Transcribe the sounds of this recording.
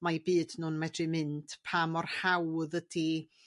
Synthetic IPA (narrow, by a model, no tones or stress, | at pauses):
mabɨːdnʊːnmɛdrɨmɪntʰpʰamɔrhawðəd̥i